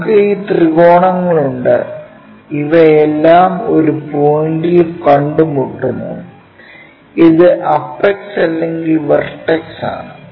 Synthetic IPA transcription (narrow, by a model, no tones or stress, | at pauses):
kɐjit̪riɣo̞ːɳɐŋːɐɭuɳɖɨ̰ | iʋɐelːaːmo̞ɾupojɳɖilkɐɳɖumuʈːunːṵ | iðɨʔɐfeksɐlːeŋɡilʋɐrʈːeksa̰ːɳɨ